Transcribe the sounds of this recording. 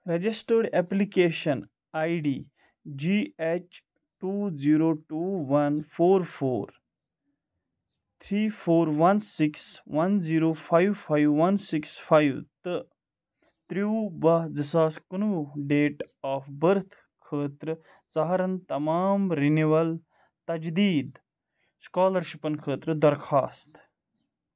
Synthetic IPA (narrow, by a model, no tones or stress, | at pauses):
ɾɐd͡ʒisʈəɾɖeplikeːʃɐn | aːjɖiː | d͡ʒiːet͡ʃ | ʈuːziːɾoːʈuːʋɐnfʰoːɾpʰo̰ːɾ | t̪ʰɾiːpʰoːɾʋɐnsiksʋɐnziːɾoːpʰajʋpʰajʋːɐnsiksfʰajʋt̪ɨ | t̪ɾibɐd͡zisaːskɐnuːɖeːʈaːfbəɾt̪ʰ | kʰəːt̪ɾɨ | zɐɦɐɾɐnt̪ɐmaːmɾiniʋɐl | t̪ɐd͡ʒd̪iːd̪ | skaːlɐɾʃipɐnkʰəːt̪ɾɨd̪ɐɾkʰaːst̪